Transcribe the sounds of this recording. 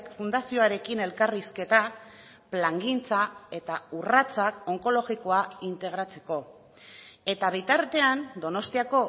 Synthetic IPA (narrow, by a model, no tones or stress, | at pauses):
kfund̪asio̞aɾe̞kine̞lkariske̞t̪a | plaŋɡint͡sae̞t̪aurat͡sako̞ŋko̞lo̞ɣiko̞aint̪e̞ɣ̞ɾat͡se̞ko̞ | e̞t̪aβ̞et̪aɾt̪e̞and̪o̞no̞st̪iako̞